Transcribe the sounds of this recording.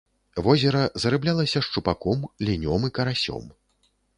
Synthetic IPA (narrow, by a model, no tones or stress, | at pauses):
vɔzʲɛɾɐzɐɾɨblʲalˠɐsʲɐʂt͡ʂupakɔmlʲinʲɔmɨkɐɾasʲɔ̰m